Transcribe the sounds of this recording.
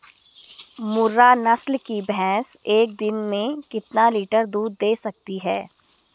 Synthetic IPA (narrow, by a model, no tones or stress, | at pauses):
mʊɾːanɐslkibɛːseːk̚d̪ɪnmẽkɪt̪naliːʈəɾd̪uːd̪ːeːsɐk̚t̪iɦɛː